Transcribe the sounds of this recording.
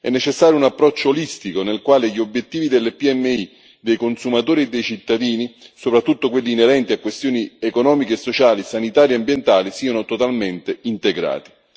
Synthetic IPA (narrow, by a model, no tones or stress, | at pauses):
ɛ̰nːet͡ʃesːaːɾjounapːɾɔt͡ʃːoːlist̪ikonelkwaːleʎiobjet̪ːiːvid̪elːepiɛmːei | d̪ejkonsumat̪oːɾied̪ːejt͡ʃit̪ːad̪iːnisopɾat̪ːut̪ːokwelːiːneɾɛnt̪iakːwest̪joːniekonɔːmikeːsːot͡ʃaːlisanit̪aːɾjeambjent̪aːlisiːanot̪ot̪alment̪eint̪eɡɾa̰ːt̪i̥